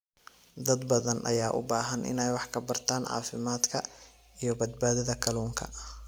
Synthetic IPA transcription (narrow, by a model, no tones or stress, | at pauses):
d̪ɐd̪bɐðɐnʔɐ̰jaːʔʊ̰baːɦɐnʔɪ̰nɛjwɑħkʰɐbɐrt̪ʰaːnʕɑ̰ːfɪmaːd̪kʰɐ | ijɞbɐd̪̚baːðɐðɐkʰɐluːŋkʰɐ̰